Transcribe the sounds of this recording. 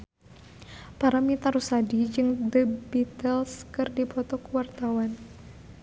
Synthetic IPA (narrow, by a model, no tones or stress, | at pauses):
paɾamit̪aɾusadid͡ʒɨŋdəbit̪əlskɨrdipɔt̪ɔkuwart̪awan